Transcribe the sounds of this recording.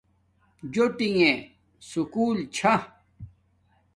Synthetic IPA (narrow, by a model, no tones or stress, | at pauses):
d͡ʑoʈiŋẽ | sukuːlt͡ɕʰa